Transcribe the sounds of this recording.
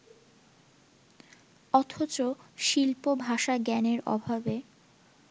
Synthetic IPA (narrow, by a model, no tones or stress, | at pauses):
ɔt̪ʰot͡ɕoʃilpobʱaʃaɡɛneɾɔ̰bʱabe